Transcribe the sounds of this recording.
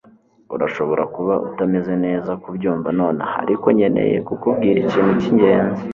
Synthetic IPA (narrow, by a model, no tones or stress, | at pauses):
uɾaʃo̞βo̞ɾakuβaʔṵtame̞ze̞ne̞ːzakubɟuːɱvano̞ːnaha̰ɾiko̞ɲe̞nḛjḛkukubɡiːɾiciːnuciɲɟe̞ːnzi